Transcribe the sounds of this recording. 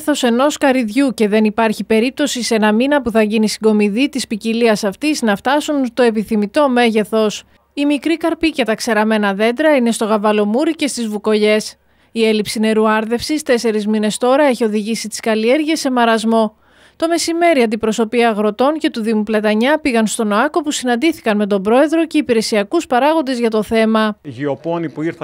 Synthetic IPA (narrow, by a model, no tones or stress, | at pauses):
θo̞se̞no̞skɐɾiðʝuce̞ðe̞nipɐɾçipe̞ɾip̚t̪o̞sisenɐminɐpuθɐʝinisiɡo̞miðit̪ispiciliɐsɐft̪iznɐft̪ɐsunt̪o̞e̞piθimit̪o̞me̞ʝe̞θo̞s | imikɾikɐɾpicɐt̪ɐkse̞ɾɐme̞nɐðe̞nd̪ɾɐine̞st̪o̞ɣɐvɐlo̞muɾice̞st̪izvuko̞ʝe̞s | ie̞lipsine̞ɾuɐɾðe̞fsist̪e̞se̞ɾizmine̞st̪o̞ɾɐe̞çio̞ðiʝisit̪i̥skɐlie̞ɾʝiesːe̞mɐɾɐzmo̞ | t̪o̞me̞sime̞ɾiɐnd̪ipɾo̞so̞piɐːɣɾo̞t̪o̞nce̞t̪uðimuplɐt̪ɐɲɐpiɣɐnst̪o̞noɐko̞pusinɐnd̪iθi̥kɐnme̞t̪̬o̞bɾo̞e̞ðɾo̞ce̞ipiɾe̞siɐkuspɐɾɐɣo̞nd̪e̞zʝɐt̪o̞θe̞mɐʝioponipuiɾθ